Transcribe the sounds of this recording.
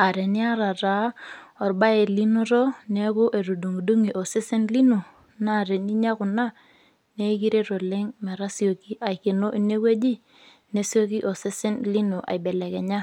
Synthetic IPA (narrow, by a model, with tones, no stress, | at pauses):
a˨ɾe˨ni˦a˦ɾa˨ɾa˨˦ɔ˨ɾba˦e˨li˦no˦ɾɔ˦ne˦kʊ˦ʔe˨ɾu˨du˨ŋ˨du˦ŋi˨ʔo˨sɪ˦sɪ˦nli˦nu˨ | na˦˨ɾe˨ni˦ɲa˦kʊ˨na˦ | ne˦ki˦ɾe˦ɾo˨lɪ˦ŋmɛ˨ɾa˦si˦o˨ki˦ʔa˨i˨kɪ˨no˦ʔi˦ne˦kwe˦d͡ʒi˦ | ne˦si˦o˦ki˦ʔo˨sɪ˦sɪ˦nli˦nu˨ʔa̰˨i˨be˨lɛ˨kɛ˨ɲa˦